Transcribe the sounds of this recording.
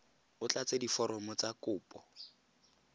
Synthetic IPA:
ʊt͡ɬat͡sedifɔɾɔmɔt͡sakʊːpʼɔ

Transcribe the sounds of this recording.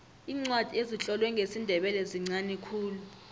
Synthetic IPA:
iːŋ͡ǀwad̥ʱieziɬʼɔlwɛŋʱesindʱɛɓɛlɛziŋ͡ǀanɛkʰuːlu

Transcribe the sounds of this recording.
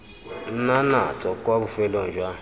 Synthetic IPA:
n̩nana̰t͡sɔkaβʊfelɔn̩d͡ʒwa

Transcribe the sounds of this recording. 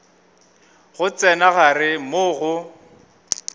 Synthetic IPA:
ɣʊt͡sɛnaɣarɪmoɣʊ

